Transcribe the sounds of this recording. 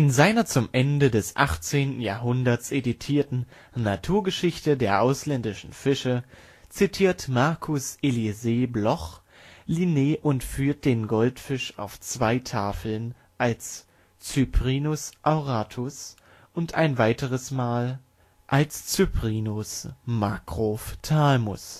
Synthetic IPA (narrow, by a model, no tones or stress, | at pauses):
ʔɪnzaɪnɐt͡sʊmʔɛndədɛsʔa̰χt͡seːntn̩jaːɐɦʊndɐt͡sʔeditʰiːɐtn̩ | natʰuːɐɡəʃɪçtədeːɐʔaʊslɛndɪʃn̩fɪʃə | t͡sitʰiːɐtmaɐkʰʊsʔelizeːblɔχ | lineːʔʊntfyːɐt̚d̥eːnɡɔltfɪʃa̰ʊft͡sv̥aɪtʰaːfl̩n | ʔals | t͡sypʁ̥iːnʊsʔaʊʁaːtʰʊs | ʔʊntʔa̰ɪnvaɪtəʁ̞əsmaːl | ʔalst͡sypʁ̥iːnʊsmakʁ̥oːftʰalmʊ̰s